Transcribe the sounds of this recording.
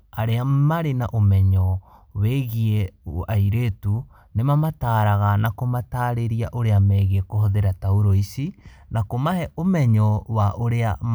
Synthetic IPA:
aɾeamaɾena̰ʔomɛɲɔweɣieaiɾetu | nemamataːɾaɣanakomataːɾeɾiaʔoɾeamɛɣekohɔðeɾatauɾoisinakomahɛomɛɲɔwaʔoɾea

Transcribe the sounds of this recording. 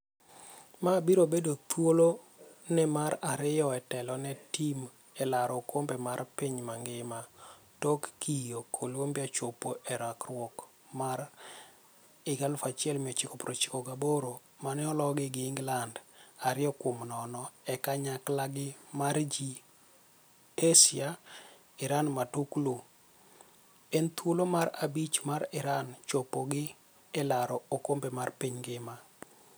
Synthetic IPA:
mabiɾobedot̪wolo | nɛmaɾaɾɪjɔɛtɛlɔnɛtim | ɛlaɾɔkʰombɛmarpiɲmaŋɡɪma | tokːijokʰolwombjat͡ʃopoʔɛɾakrwɔk | maɾ | ɪɡalʊfat͡ʃɪɛlmɪɔt͡ʃɪkɔpɾot͡ʃɪ̥kɔɡaboɾo | manɛɔlɔɡɪɡɪːŋɡlandaɾɪɔkwomnɔnɔɛkaɲaklaɡɪmaɾd͡ʒi | esɪa | ɪɾanmatuklu | ent̪wulomaɾabit͡ʃmaɾɪɾant͡ʃopoɡɪ | ɛlaɾɔokombemarpiɲɡɪma

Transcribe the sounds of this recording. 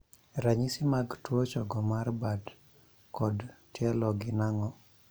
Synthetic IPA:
ɾaɲisimaɡtwot͡ʃɔɡɔmarbad | kɔdtjɛlɔɡɪnaŋɔ

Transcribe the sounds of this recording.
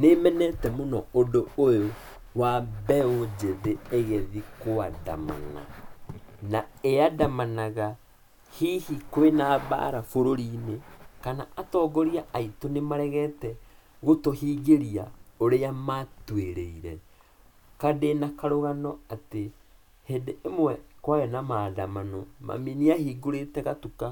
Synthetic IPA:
nemɛnɛtɛmonɔodoojo | wabɛod͡ʑeðeeɣɛðikoada̰ma̰na̰ | naeadamanaɣa | hihikoenaβa̰ːɾafoɾoɾiːnekanaatɔːɡɔɾiaʔaitonemaɾɛɣɛtɛɣotohiːɡeɾia̰oɾeamatweɾeiɾɛ | kadenakaɾoɣanɔate | hendeemwɛkwajɛnamaːdamanɔma̰miniahiːɡoɾetɛɣatuka

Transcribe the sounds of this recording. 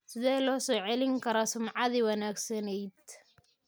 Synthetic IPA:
sɪðɛːjlɔːsɔːʕɛlɪŋkʰɐɾɔːsʊmʕɑðiwɑnaːɡsɐnɛjd̪̚

